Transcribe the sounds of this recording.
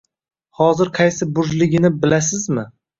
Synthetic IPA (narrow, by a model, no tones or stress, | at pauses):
hɒzɪɾqʰɑjsɪbʊʒlɪɡʲɪnɪbɪlas̬ɪzmɪ